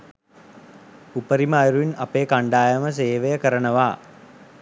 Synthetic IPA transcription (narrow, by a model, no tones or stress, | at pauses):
upəɾimaːjɾuinapeːkaɳɖaːjəməs̬eːʋejəkəɾənəʋaː